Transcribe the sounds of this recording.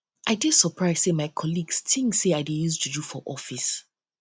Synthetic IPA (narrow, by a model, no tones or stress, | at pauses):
ʔaɪdid̥səpʰɹaɪz̥semaɪkʰɔliɡstʰĩŋseaɪdejuztʰudufɔʔɔfis